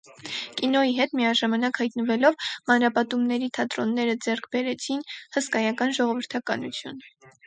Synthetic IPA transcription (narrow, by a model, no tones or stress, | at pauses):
kinɔiɦɛt̪miɑʒɑmɑnɑkhɑjt̪nəvɛlɔvmɑnɾɑpɑt̪umnɛɾit̪ʰɑt̪ɾɔnːɛɾəd͡zɛrkʰbɛɾɛt͡sʰinhəskɑjɑkɑnʒɔʁɔvəɾt̪ʰɑkɑnut͡sʰjṵn